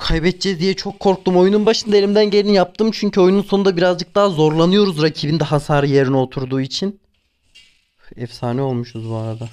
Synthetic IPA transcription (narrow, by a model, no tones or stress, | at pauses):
kʰajbɛt̪̚d͡ʒɛzd̪ijɛt͡ʃʰo̞kʰːo̞ɾk̚t̪umo̞jununbaʃɯnd̪aelʲimd̪ænɟelʲinjap̚t̪ʰɯmt͡ʃʰyɲcʰyo̞jununso̞nud̪abiɾazd͡ʒɯk̚d̪aːzo̞ɾlˠanɯjo̞ɾuzɾacʰibind̪ɛɦasaːɾɯje̞ɾinio̞t̪ʰuɾd̪uːit͡ʃʰin | ɛfsaːnio̞lˠmuʃuzbuaɾad̪a